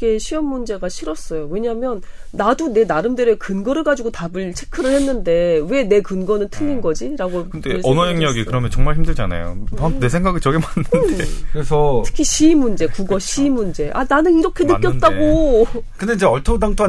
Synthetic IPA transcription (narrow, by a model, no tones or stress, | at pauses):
kʰe̞ɕʰijʌmːund͡ʑe̞ɡaɕʰiɾʌs͈ʌjowe̞ɲamjʌnː | adune̞naɾɯmdeɾekɯnɡʌɾɯɭɡad͡ʑuɡotabɯɭt͡ɕʰe̞kʰɯɾɯɭhenːɯnde̞we̞ne̞kɯnɡʌnɯntʰɯʎːinɡʌd͡ʑiɾaɡoɯndeʌnʌeŋɲʌɡikɯɾʌmjʌnt͡ɕʌŋmaɭhçimdɯɭd͡ʑana̰jo̰ane̞s̬ʰeŋɡaɡɯt͡ɕʌɡemanːɯndeɯɾesʰʌtʰɯ̥kʰiɕimːund͡ʑe̞kuɡʌɕʰiːmːund͡ʑe̞ʔananɯniɾʌkʰe̞nɯkjʌtt͈aɡokɯnde̞id͡ʑeʌɭtʰodaŋtʰoa